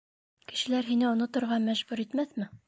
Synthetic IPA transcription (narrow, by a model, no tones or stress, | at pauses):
kɘ̆ʃɘ̆læɾɦinɘŏnŏt̪ŏɾʁɑmæʒbʉɾit̪mæθmɘ